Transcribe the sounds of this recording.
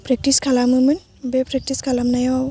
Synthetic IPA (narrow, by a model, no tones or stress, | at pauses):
pɾɛk̚tiskʰalamɯmɯn | bɛpɾɛk̚tiskʰalamnajwaw